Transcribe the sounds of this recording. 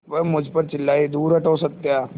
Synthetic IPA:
ʋɐmʊd͡ʒʱpɐɾt͡ʃɪlːaːid̪uːɾɐʈoːsɐk̚t̪eaː

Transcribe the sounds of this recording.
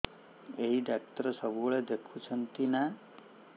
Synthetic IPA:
eɦiɖak̚ʈəɾəsəbuɭed̪ekʰũt͡ʃʰənt̪ina

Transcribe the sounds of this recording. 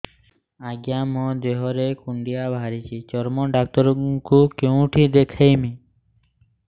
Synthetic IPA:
aɡjamɔ̃d̪eɦɔɾekuɳɖijabʱaɾit͡ʃʰit͡ʃɔɾmɔɖak̚t̪ɔɾkukeũʈʰid̪ekʰajmi

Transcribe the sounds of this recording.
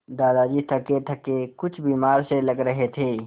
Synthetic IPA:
d̪aːd̪ad͡ʒit̪ʰəket̪ʰəkekʊt͡ʃʰbiːmaːɾseləɡɾəɦet̪ʰeː

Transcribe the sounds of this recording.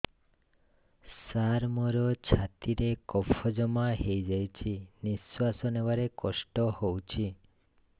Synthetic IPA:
saɾmɔɾɔt͡ʃʰat̪iɾekɔpʰɔd͡ʒɔmaɦejd͡ʒajt͡ʃʰiniswasɔnewaɾekɔsʈɔhowt͡ʃʰi

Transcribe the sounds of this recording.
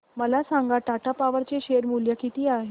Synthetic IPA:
məlasaŋɡaʈaʈʰapaʋəɾt͡ɕeɕeɾmuljəkʰit̪iːaɦe

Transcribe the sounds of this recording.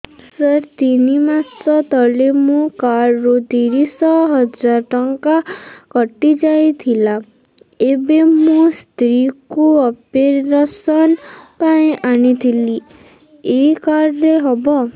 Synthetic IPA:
səɾt̪inimasɔt̪ɔlemũkaɾːod̪iɾisɔɦɔd͡ʒaɾʈəŋkakɔʈid͡ʒajt̪ʰila | ebemũst̪ɾikuɔpeɾːasɔnpaĩʔañit̪ʰili | ekaɾːeɦɔbɔ

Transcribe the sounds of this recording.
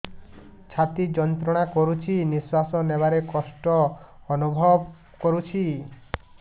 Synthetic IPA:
t͡ʃʰat̪id͡ʒɔnt̪ɾɔɽ̃akɔɾut͡ʃʰiniswasɔneβaɾekɔsʈɔːnubʱɔb | kɔɾut͡ʃʰi

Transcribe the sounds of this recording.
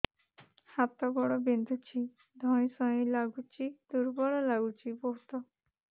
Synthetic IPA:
hapt̪ɔɡɔɽɔbind̪ʱut͡ɕi | d̪ʱɔ̃jsɔ̃jĩlaɡut͡ɕid̪uɾbɔɭɔlaɡut͡ɕipɔɦt̪ɔ

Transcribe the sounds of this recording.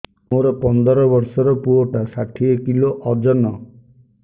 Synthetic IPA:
moɾɔpɔnd̪ɔɾɔbɔɾsɔɾɔpuoʈasaʈʰiekiloʔɔd͡ʒɔnɔ

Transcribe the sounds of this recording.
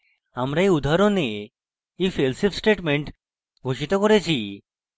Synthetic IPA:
amɾaiud̪ʱaɾone | iːfelsifsʈeʈmeɳʈ | ɡʱoɕit̪ɔkɔɾajt͡ɕiː

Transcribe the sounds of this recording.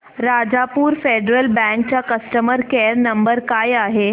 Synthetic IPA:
ɾad͡ʑapuːɾfeɖɾəlbɛ̃ŋk̚t͡ɕjakəsʈəməɾkeɾnəmbəɾkajaɦe

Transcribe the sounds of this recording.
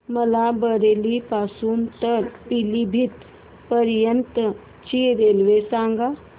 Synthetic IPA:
məlabəɾeːlipaːsuːnt̪əɾpilibʱit̪ | pəɾjənt̪ə | t͡ʃiɾeːlʋesãːŋɡa

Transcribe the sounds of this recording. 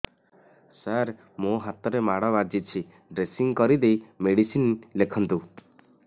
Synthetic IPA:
saɾ | moɦat̪ɔɾemaɽɔbad͡ʒit͡ʃʰi | ɖɾesiŋkɔɾid̪ejmeɽisinlekʰɔnt̪u

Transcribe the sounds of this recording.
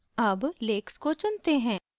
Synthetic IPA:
ɐbleːkskot͡ʃʊnt̪eɦɛ̃ː

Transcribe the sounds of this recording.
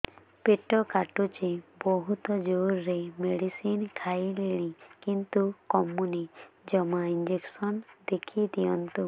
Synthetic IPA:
peʈɔkaʈut͡ʃebɔɦut̪ɔd͡ʒoɾːemeɽisinkʰajleɽ̃ĩkint̪ukɔmunid͡ʒɔmaind͡ʒeksɔnd̪ekʰid̪ijɔnt̪u

